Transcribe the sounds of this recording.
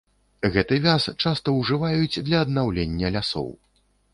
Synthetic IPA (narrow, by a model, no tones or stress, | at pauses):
ɣɛt̪ɨvʲast͡ʂast̪ɐwʐɨvajud͡zʲd̪lʲɐːd̪nawlʲenʲːɐlʲasɔ̰w